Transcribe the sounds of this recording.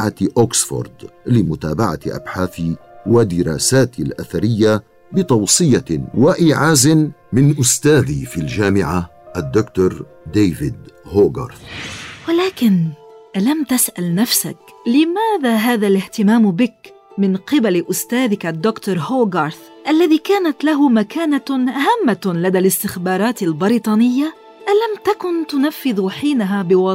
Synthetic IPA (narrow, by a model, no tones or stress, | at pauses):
ʕaʔoːksfo̰ɾd̪lɪmʊt̪aːbaʕa̰ʔa̰bħaːθi | wad̪ɪɾɑ̰ːsaːt̪ɪlʔaθaɾɪjːa | bɪt̪ˤɑwsˤɨjawaʔiːʕaːzɪn | mɪnʔʊst̪aːðiːfild͡ʒaːmɪʕaʔad̪ːʊkt̪ʊɾˤ | d̪eːvɪd̪hoːɡɑ̰ɾˤθwalaːkɪnʔalamt̪asʔalnafsa̰klɪmaːðaːɦaːðalɪht̪ɪmaːmbɪk | mɪnqɪbalʔʊst̪aːðɪkad̪ːʊkt̪ʊɾˤhoːɡɑɾˤθ | ʔalːaðiːkaːnat̪laɦʊmakaːnaʔaɦamːalad̪alɪst̪ɪxbɑːɾˤɑːt̪albɪɾit̪ˤɑːnɪjːa | ʔalamt̪akʊnt̪ʊnafːɪðħiːnaɦaːbɪwɑ